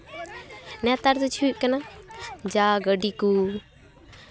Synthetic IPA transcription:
nɛt̪aɾt̪ut͡ʃʰuʔkənad͡ʒaːɡəɖiku

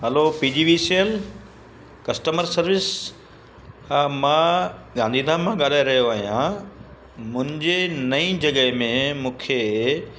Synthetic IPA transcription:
ɦɐlopiːd͡ʑiːʋisiəl | kɐsʈəməɾsɐɾʋɪs | mãːɠãːnd̪ʱiːd̪ʱãmãɠaːlaːeɾɐɦjoaːɦijã | mʊ̃ɦɪ̃ɲd͡ʑenɐĩd͡ʑɐɠəɦmẽmũːkʰeː

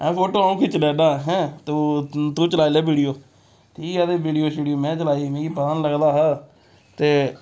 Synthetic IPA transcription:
ɛ̃ːpʰoːʈoːaːũːkʰiːt͡ʃəlɛːd̪aːɦɛ̃ːt̪ːt̪ũːt͡ʃəlaːilɛːbiːɖijoː | t̪ʰiaːd̪eːbiːɖijoːʃɪːɖijoːmɛ̃ːt͡ʃəlaːiːmɛ̃ːkiːpət̪aːnləɡd̪aːɦaː | t̪eː

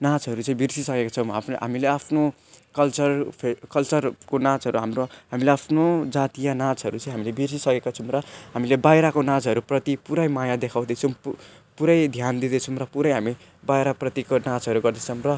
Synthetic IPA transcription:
nãt͡sʌɾut͡sʌĩbirsisʌkekat͡sʰʌw̃ɦapɦa̰mileapʰno | kʌlt͡sʌrpʰekʌlt͡sʌrkonãt͡sʌɾuɦamroɦamileapʰnod͡zat̪ijanãt͡sɦʌɾut͡sʌ̃j̃ɦamilebirsisʌkekat͡sʰʌw̃mrʌɦamilebajɾakonãd͡zɦʌɾuprʌt̪ipuɾʌjmajad̪ekʰaw̃d̪ʌt͡sʰʌm | puɾʌjd̪ʱjand̪id̪ʌt͡sʰʌmrʌpuɾʌjɦami | bajɾaprʌt̪ikonãt͡sɦʌɾuɡʌrd̪ʌt͡sʰʌmrʌ

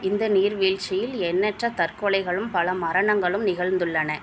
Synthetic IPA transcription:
ɪnd̪ɐniːɾʋiːɻt͡ʃɪjɪlɛnːɛʈrɐt̪ɐrkɔɭɐɪɣɐɭɯmpɐlɐmɐɾɐɳɐŋɡɐɭɯmnɪɣɐɭnd̪ɯɭːɐnɐ

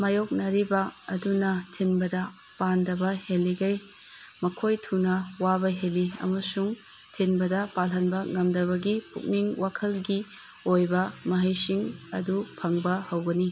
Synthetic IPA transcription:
mɐjok̚nɐɾibɐɐdunɐtʰinbɐdɐ | pandɐbɐhelːiɡɐj | mɐkʰojtʰunɐwabɐɦeliɐ̰mɐsuŋ | tʰinbɐdɐpalɦɐnbɐŋɐmdɐβɐɡipṵk̚niŋwakʰɐlɡi | ojbɐmɐɦɐjsiŋɐ̰dupʰɐŋbɐhɐwɡɐni

